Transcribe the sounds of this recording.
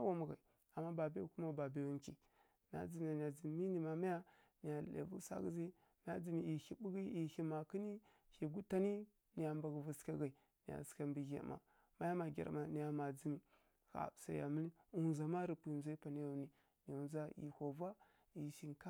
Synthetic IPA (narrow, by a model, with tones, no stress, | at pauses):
a˦wa˨mu˨ɣa̰˨i˨ | a˨mːa˦ba˨bi˦˨ku˦ma˨ba˨be˨ju˨ŋki˨ | na̰˦d͡zi˨mi˨a˨ni˨ja˨d͡zi˨m˨mi˦ni˨ma˨ma˦ja˦ | ni˨ja˨ḛ˨vṵ˦sa̰˦ɡi˦zi˦ | n˦a˦d͡zi˨mi˨i˨hi˨bu˦ɡi˦i˨hi˨ma˨ki˦ni˦ | hi˨ɡu˦ta˦ni˦ | ni˨ja˨mba˨ɡə˨vu˨ska˦ɡa˨i˨ | ni˨ja̰˨ska˨mbi˨ɡḛ˨˦˨ma̰˨ | ma˦ja˦ma˨ɡʲa̰˨ɾma˨ni˨ja˨ma˨d͡zi˨mi˨ | ɣa̰˨sa̰˨ja̰˨mi˦li˦u˨za˨ma˦ɾi˨pi˨nza˦i˦pa˨ni˦ja˨ni˨ | ni˨u˨nza˦ḭ˨ho˨va˦ | i˨ʃi˨nka˦